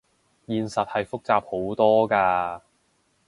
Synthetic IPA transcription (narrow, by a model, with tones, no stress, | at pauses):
jiː˨nsɐ˨t̚hɐ˨jfʊ˥k̚t͡saː˧p̚ho˨˥wt̪ɔː˥kaː˧